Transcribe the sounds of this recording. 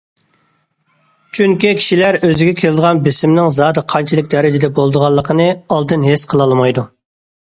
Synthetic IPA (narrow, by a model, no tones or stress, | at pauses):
t͡ʃʰyŋkʲikʲʰi̥ʃilæɾøzɪɡʲɛkʲʰelɪd̪əʁɑnbɪsɪmnɪŋzɑːd̪ɨqʰɑnt͡ʃʰilˠɨkʲd̪ɛɾɪd͡ʒɪd̪ɛbolˠd̪əʁɑlˠːəqʰənɨɑlˠd̪ɨnɦesqʰəlˠɑlˠmɑjd̪u